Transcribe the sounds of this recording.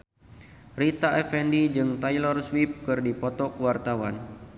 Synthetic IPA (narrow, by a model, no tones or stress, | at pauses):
rit̪aʔɛfɛndid͡ʒɨŋt̪ajlɔrswip̚kɨrdipɔt̪ɔkəwart̪awan